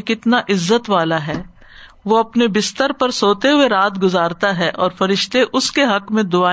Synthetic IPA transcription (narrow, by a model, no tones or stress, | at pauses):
kɪt̪naʔɪzːət̪ʋaːlaɦɛː | ʋoɐpnebɪst̪əɾpɐɾsoːt̪eɦʊeɾaːt̪ɡʊzaːɾt̪aɦɛʔɔːɾfɐɾɪʃt̪eʔʊskeɦɐkmẽd̪ʊaː